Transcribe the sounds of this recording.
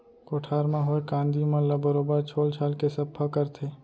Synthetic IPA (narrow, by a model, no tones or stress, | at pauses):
koːʈʰaːɾmãɦoekãːnd̪imãləbəɾoːbəɾt͡ʃʰoːlt͡ʃʰaːlkesɐpʰːakəɾt̪ʰeː